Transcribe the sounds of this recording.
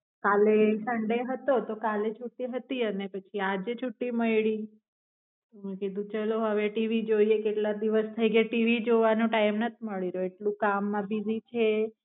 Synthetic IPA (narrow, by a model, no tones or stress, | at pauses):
kalesəɳɖeɦət̪ot̪okalet͡ʃʰuʈːiɦət̪iənepət͡ʃʰiad͡ʒet͡ʃʰuʈːiməjɭi | mũkid̪ũt͡ʃəloɦəʋeʈiʋid͡ʒoiekeʈlad̪iʋəst̪ʰəjɡaʈiʋid͡ʒoʋanũʈaimnət̪ʰiməɭiɾoeʈlũkamːãbizit͡ʃʰe